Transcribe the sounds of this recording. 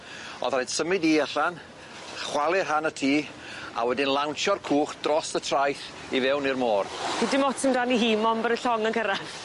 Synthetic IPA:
ɔ̰ðrajd̥səmɪdiaɬan | χwalˠɪrɦanətʰiː | a̰wɛdɪnlˠawnt͡ʃɔrkʰuːχd̥rɔsətʰrajθ | ivɛwnirmoːrpʰidɪmɔtʰɪmdaniɦiːmɔmbəɾəɬɔŋənkəɾaθ

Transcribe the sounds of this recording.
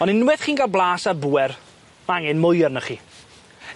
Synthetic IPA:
ɔnɪnwɛθχiːnɡalˠblˠaːsabuːɛr | maŋɪnmʊjrnəχiː

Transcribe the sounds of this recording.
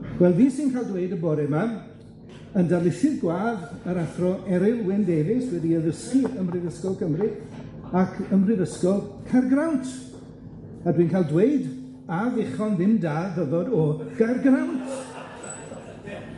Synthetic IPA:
wɛlˠviːsinkʰaːlˠdweɨdəbɔɾɛman | əndalˠɪʃɪðɡwaːðəɾaθrɔʔɛɾɪlˠwɪndevɪswɛdiəðəskiəmrɪðəskɔlˠkʰəmrɪ | akʰəmrɨðəskɔlˠkʰarɡrawntʰ | adwiːnkʰaːlˠdwejd | avɪχɔnðɪmdaːðəvɔdɔɡ̥arɡrawntʰ

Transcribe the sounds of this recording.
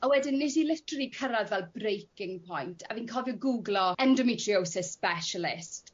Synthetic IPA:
ɔwɛdɪnːɪtilɪtripʰəɾaðvɛlˠbrejkɪŋpʰɔjntʰaviːnkʰɔvjɔɡuɡlɔɛndɔmitʰriowsɪspɛʃəlɪst

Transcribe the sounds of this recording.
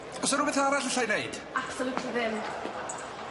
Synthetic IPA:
ɔsɔɾʊbɛθaɾaɬəɬajnejd̥aksəlutʰiðɪm

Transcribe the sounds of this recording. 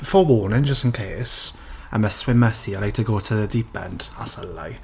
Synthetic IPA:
fɔwɔːnənd͡ʒəstənkʰeːs | ə̰məswɪməsiəɾaj̚tʰəɡoːtʰədibʰɛ̰nd̥a̰səla̰j

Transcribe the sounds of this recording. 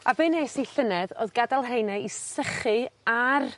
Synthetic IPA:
avɨneːsijɬənɛðo̰ːðɡadalˠɦejnaisəχɨar

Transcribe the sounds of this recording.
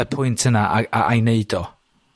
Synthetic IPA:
əpʰʊɨntʰənaʔaaʔajneɨdɔ

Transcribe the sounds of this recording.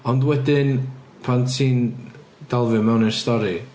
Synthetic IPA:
ɔndwɛdɪnpʰantʰiːn | d̥alˠvɨmɛwnɪnstɔɾi

